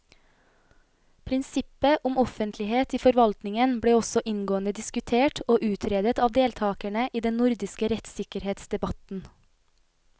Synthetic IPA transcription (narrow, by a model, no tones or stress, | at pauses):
pʰɾɪnsɪpəʔʊmɔfənt̪ʰlɪheːt̪iːfɔɾʋɑlt̪nɪŋənbɽeːɔsɔʔɪnɡoːənəd̪ɪskʉt̪ʰeːʈoːʔʉːt̪ʰɾeːd̪ət̪ɑːʋd̪eːlt̪ʰɑːkæɳəʔiːd̪ɛnnʊɾd̪ɪskəɾɛt̪sɪkəɾheːt̪sd̪ɛbɑt̪n̩